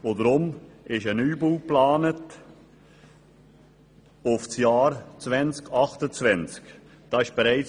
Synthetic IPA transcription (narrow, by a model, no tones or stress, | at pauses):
odəɾʊmɪʃənyːbuːplɑːnət | ʊfsjɑːɾt͡svɛnt͡skɑχtət͡svɛnt͡sk | d̥ɑɪʃb̥ɛɾæɪt͡s